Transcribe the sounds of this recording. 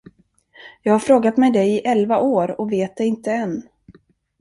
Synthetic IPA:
jɑːɡhaɾfɾoːɡat̪mɛjd̪ɛjɪʔɛlvaʔoːɾɔveːt̪̚d̪ɛjɪnt̪əɛnː

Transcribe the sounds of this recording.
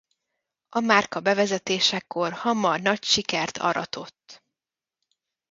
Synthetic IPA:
ʔɒmaːrkɒbɛvɛzɛt̪eːʃɛkːo̞rhɒmɒrnɒcʃikɛrt̪ʰɒ̰ɾɒ̰t̪ʰo̞t̪ː

